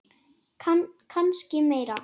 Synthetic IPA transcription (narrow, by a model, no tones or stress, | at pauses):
kʰanscɪmeːjɾa